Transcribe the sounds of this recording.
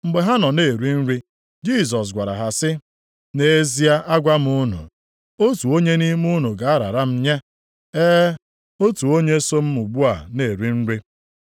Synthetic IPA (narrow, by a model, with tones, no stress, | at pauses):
ŋ͡m̩˨ɡ͡be˨ɦa˦nɔ˨ne˨ɾi˦n̩˦ɾi˦ | d͡ʒi˦˨s̬ɔ˨s̬ɡʷa˨ɾa̰˨ɦa˨sɪ˦ | ne˨˦zi˦a˦ʔa˦ɡʷa˦m˦ʊ˦nṵ˨ | o˦tu˨o˦ɲe˦ni˦m˦u˦nu˨ɡa˨a˦ɾa̰˨ɾa˦m̩˦ɲe˦ | eː˦ | o˦tu˨o˦ɲe˦so˦m̩˦mu˨ɡ͡bu˦a˨ne˨ɾi˦n̩˦ɾi˦